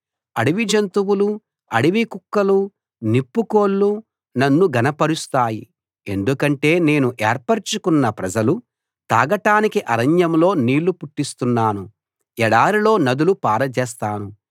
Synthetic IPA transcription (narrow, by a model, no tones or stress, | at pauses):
ɐɽiʋid͡ʒɐnt̪uwulu | ɐɽiʋikukːɐlu | nipːuko̞ːɭːu | nɐnːuɡɐnɐpɐɾust̪aːji | e̞nd̪ukɐɳʈe̞ːne̞ːnuʔɛːɾpɐɾt͡ʃukunːɐpɾɐd͡ʒɐlu | t̪a̰ːɡɐʈaːnikiʔɐɾɐɲjɐmlo̞ːniːlːupuʈːist̪unːaːnu | ɛɽaːɾilo̞ːnɐd̪ulupaːɾɐd͡ʒɛːst̪aːnu